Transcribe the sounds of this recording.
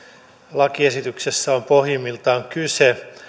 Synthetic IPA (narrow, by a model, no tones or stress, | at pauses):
lɑkiesit̪yksesːæompohjimːilt̪ɑoŋkyse